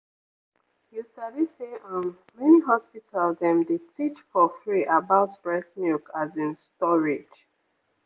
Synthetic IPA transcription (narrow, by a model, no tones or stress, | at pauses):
jusadiseʔɔ̃n | mɛniɦɔspitʰaldɛ̃mdetʰit͡ʃfɔfɹiʔabaʊtb̥ɹɛsmikʰazĩnstɔɹed͡ʒ